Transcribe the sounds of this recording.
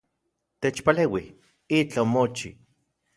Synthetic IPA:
t̪et͡ʃpaleːwih | it͡ɬaomot͡ʃḭ

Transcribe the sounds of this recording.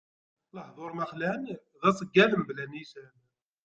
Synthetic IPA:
ləħðˤoɾˤmæχlænðæsˤəɡːæləmblænisæn

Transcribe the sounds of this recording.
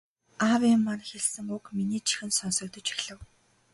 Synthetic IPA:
awimːan̆xeɮsɘ̆ŋukminiːt͡ɕʰi̥xɘ̆nsɔnsɞ̆k̚t̪ɞ̆t͡ɕi̥xɮɘ̆w

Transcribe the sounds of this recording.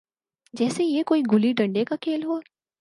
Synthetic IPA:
d͡ʒɛːsejekoːiɡʊliɖɐ̃ɳɖekakʰeːlɦo

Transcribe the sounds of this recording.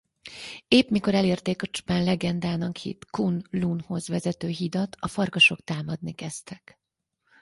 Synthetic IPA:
eːpmiko̞ɾɛleːrt̪eːkɒt͡ʃu̥paːnlɛɡɛnd̪aːnɒkhḭt̪kunlunho̞zʋɛzɛt̪øːɦid̪ɒt̪ʰɒfɒrkɒʃo̞kt̪aːmɒd̪nikɛst̪ɛk

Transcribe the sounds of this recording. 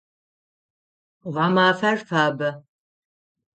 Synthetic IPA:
ʁɑmaːfɐrfaːbɐ

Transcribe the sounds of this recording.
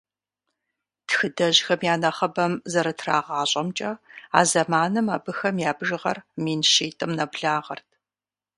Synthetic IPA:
txɨdɐʑxɐmjaːnɐχɐbɐmzɐɾɐtʰra̰ːʁɑːɕʼɐmt͡ʃʼɐa̰ːzɐmaːnɨmaːbɨxɐmjaːbʒɨʁɐ̰rmiːnʃeːtʼɨmnɐbɮaːʁɐrtʰ

